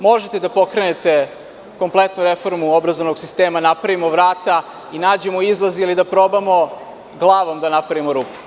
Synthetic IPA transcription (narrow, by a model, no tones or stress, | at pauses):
mo̞ʒet̪e̞d̪apo̞kɾenet̪e̞ | ko̞mplˠe̞t̪nuɾefo̞ɾmuobɾazoʋnoɡsist̪eːmanapɾaʋimo̞ʋɾaːt̪a | inaːd͡ʑe̞moizlˠazilid̪apɾo̞bamo̞ | ɡlˠaːʋo̞md̪anapɾaʋimoɾuːpu̥